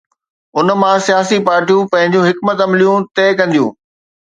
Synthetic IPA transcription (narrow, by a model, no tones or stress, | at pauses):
ʊnmãsijaːsipaːɾʈijũpɐ̃ɦɪ̃ɲd͡ʑũɦɪkmət̪ɐmlijũt̪eːkɐ̃nd̪ijṵ̃ː